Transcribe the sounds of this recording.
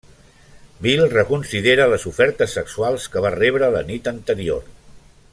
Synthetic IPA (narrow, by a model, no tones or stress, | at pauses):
bilˠrəkunsiðeɾələzufɛɾt̪əsːəksualˠskəβ̞arɛβɾələ̰nit̪ənt̪əɾio̰r